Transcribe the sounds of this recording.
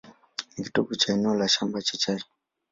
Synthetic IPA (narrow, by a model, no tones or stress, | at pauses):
nikitukut͡ʃainɔlaʃambat͡ʃit͡ʃaɾi